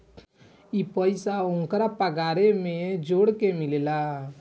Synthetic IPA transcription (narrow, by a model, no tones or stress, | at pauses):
ipəɪsaʊŋkɾapəɡaːɾemẽd͡ʒoːɽkemɪleːla